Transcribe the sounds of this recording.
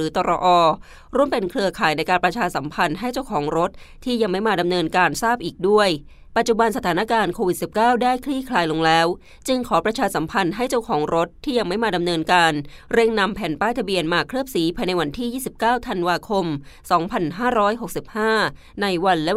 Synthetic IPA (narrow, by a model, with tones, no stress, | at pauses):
ɯː˩˦t̪ɔː˧ɾɔ̰˧ʔɔː˧ | ɾu˥˩əmpe˧nkʰlɯ˧əkʰaː˨˩˦jna˧jkaː˧npɾa˧t͡ɕʰaː˧sa˩˦mpʰa˧nɦa˥˩jt͡ɕa˥˩wkʰɔː˩˦ŋɾo˦˥t̪̚ʰːiː˥˩ja˧ŋma˥˩jmaː˧˩da˧mnɤː˧nkaː˧nsaː˥˩p̚ʔiː˨˩k̚du˥˩əj | pa˨˩t̪̚t͡ɕu˨ba˧nsa˧t̪ʰaː˩˦na˦˥kaː˧nkʰoː˧wi˨˩t̪̚si˨˩p̚kaː˥˩wdaː˥˩jkʰliː˥˩kʰlaː˧jlo˧ŋlɛː˦˥w | t͡ɕɯ˧ŋkʰɔː˩˦pɾa˧t͡ɕʰaː˧sa˩˦mpʰa˧nɦa˥˩jt͡ɕa˥˩wkʰɔː˩˦ŋɾo˦˥t̪ʰːiː˥˩ja˧ŋma˥˩jmaː˧da˧mnɤː˧nkaː˧nɾe˥˩ŋna˧mpʰɛː˩˦npaː˥˩jt̪ʰbi˧ənmaː˧kʰɾɯ˥˩p̚siː˩˦pʰaː˧jna˧jwa˧nt̪ʰiː˥˩jiː˥˩si˨˩p̚kaː˥˩wt̪ʰa˧nwaː˧kʰo˧msɔː˩˦ŋpʰa˧nɦaː˥˩ɾɔː˦˥jɦo˨˩k̚si˨˩p̚haː˥˩ | na˧jwa˧nlɛ˦˥